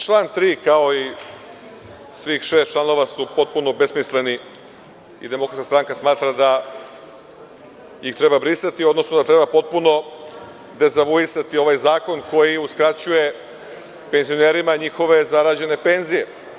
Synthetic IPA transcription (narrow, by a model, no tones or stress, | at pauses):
t͡ʃlˠaːnt̪ɾiːkao̞i | sʋixʃe̞st̪t͡ʃlˠano̞ʋasupo̞t̪̚puno̞besmisle̞ni | ḭd̪emokɾat̪kast̪ɾaŋkasmaːt̪ɾad̪a | jixt̪ɾe̞babɾisat̪iod̪nosnod̪at̪ɾe̞bapo̞t̪̚puno̞ | d̪e̞zaʋuisat̪io̞ʋaːjzaːko̞nko̞jiuskɾat͡ɕuje̞ | pe̞nzio̞neɾimaɲixo̞ʋe̞zaɾad͡ʑe̞ne̞peːnzije̞